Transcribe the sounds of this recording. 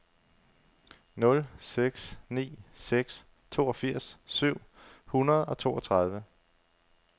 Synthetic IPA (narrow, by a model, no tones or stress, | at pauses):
nɔ̽lseɡ̥snḭːseɡ̥s | t͡sʰo̝̰ːɒ̽fiɐ̰ssyʊ̰hunɐð̞̩ˠɒ̽t͡sʰo̝̰ːɒ̽t͡sʰʁɑ̈ð̞ˠʋə